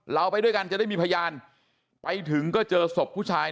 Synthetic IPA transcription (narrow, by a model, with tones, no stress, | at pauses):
ɾa˧wpa˧jdu˥˩jka˧nt͡ɕa˨da˥˩jmiː˧pʰa˧jaː˧n | pa˧jt̪ʰɯ˩˦ŋkɔː˥˩t͡ɕɤː˧so˨˩p̚ʰːuː˥˩t͡ɕʰaː˧j